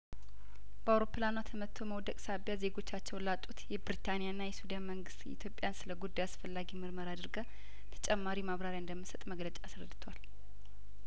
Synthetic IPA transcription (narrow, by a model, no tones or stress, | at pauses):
b̥əawɾo̞pʰːɨlanat̪ʰəmət̪ʰːoməwd̪əkʼsabjaze̞ɡo̞t͡ʃːat͡ʃːɛwnlat̪ʼut̪jɛbɾit̪ʰanijaɨnːajɛsud̪anməŋɡɨst̪ḭt̪ʰjo̞pʼːjansɨləɡud̪ːajasfəlːaɡimɨɾməɾad̪ɨɾɡə | t̪ʰə̥t͡ʃʼɛmːaɾimaβɾaɾjaɨnd̪əmːɨsət̪ʼməɡlət͡ʃʼasɾəd̪ːɨt̪ʰwal